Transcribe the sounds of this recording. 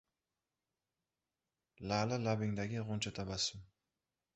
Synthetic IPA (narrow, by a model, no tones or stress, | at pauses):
lalɪlabɪŋd̪aɡʲɪʁont͡ʃʰat̪ʰabasɪm